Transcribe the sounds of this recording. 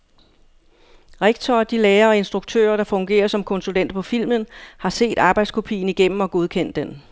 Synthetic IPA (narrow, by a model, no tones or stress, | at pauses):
ʁeɡ̥t͡sʰɒːd̥ileːɐɒ̽e̝nsd̥ʁuɡ̥̚t͡sʰø̰ːɐɾ̥ɑ̈fɔ̽ŋɡ̥e̝̰ːɐsɒ̽mkʰɔ̽nsulen̰d̥̚pʰɒ̽fil̰mənhɑ̈se̝̰ːd̥ɑ̈ːb̥ɑ̈ɪd̥skʰo̝pʰḭːn̩iɡ̥em̰m̩ɒ̽ɡ̥o̝ð̞ˠkʰen̰d̥ːen